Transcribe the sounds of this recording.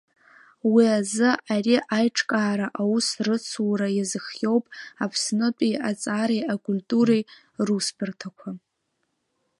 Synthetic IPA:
wiazɨariʔajʈ͡ʂʰʼkʼaːɾaʔawusrɨt͡sʰwɾajazɨχjo̞wpʼapʰsnɨtʼiat͡sʼaːɾejakʼultʼuɾe | ruspʰɨrtʰakʷʰa

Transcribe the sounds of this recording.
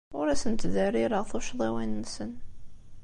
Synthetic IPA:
ʊɾæsənt̪ðərːiɾəʁθʊʃðˤæwænːsən

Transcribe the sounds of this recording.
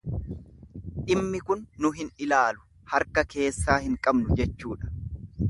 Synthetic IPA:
ᶑɪmːɪkʊnːʊɦɪnɪlaːlʊ̥ | hɐɾkɐke̞ːsːaːhɪŋkʼɐbnʊd͡ʒɛt͡ʃːuːᶑɐ̥

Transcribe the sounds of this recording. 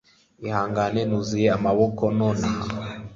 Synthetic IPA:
ihaːŋɡanenuzijeamaβokononaɦa

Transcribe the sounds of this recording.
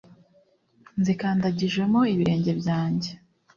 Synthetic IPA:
nzikaːndaɟiʒwe̞mo̞iβiɾe̞ːɲɟe̞bjaːɲɟe̞

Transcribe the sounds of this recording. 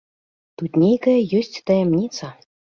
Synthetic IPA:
t̪ut̪ʲnʲejkɘjøsʲtʲt̪ɑjemnʲit͡sɑ

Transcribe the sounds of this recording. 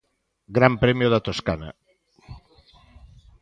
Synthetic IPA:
ɡɾampɾɛmjoðat̪oskana̰

